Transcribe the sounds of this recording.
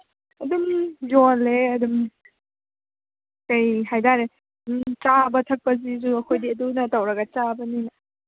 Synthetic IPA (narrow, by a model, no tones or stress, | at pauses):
ɐdumjoleɐdum | kɐjhajdaɾe | t͡ʃabɐtʰɐk̚pɐzizuɐkʰojdiɐdunɐtɐwɾɐɡɐt͡ʃabɐninɐ